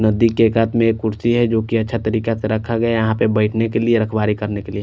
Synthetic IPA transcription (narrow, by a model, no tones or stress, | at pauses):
nɐd̪ikːeːkat̪mẽeːkːʊɾsiɦɛd͡ʒoːkiɐtːʃʰat̪ɐɾiːkaseɾɐkʰːaɡɐejɐɦãpebəɪʈʰnekelieɾɐkʰbaːɾikɐɾnekelie